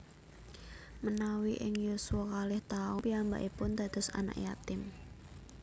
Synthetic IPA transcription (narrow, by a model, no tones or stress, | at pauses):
mənawiʔɪŋjusuwɔkalɛht̪aʊpiamba̰ʔipʊnd̪̥a̤d̪̥ɔ̤sa̰na̰ʔjat̪ɪm